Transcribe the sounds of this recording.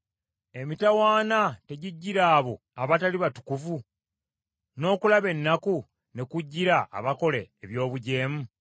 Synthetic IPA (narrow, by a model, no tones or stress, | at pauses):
e̞mitawaːnate̞ɟiɟːiɾaːβo̞ | aβataliβatu̥kuvu | no̞ːkulaβe̞nːaku | ne̞kuɟːiɾa̰ːβako̞le̞ːβjo̞ːβuɟe̞ːmu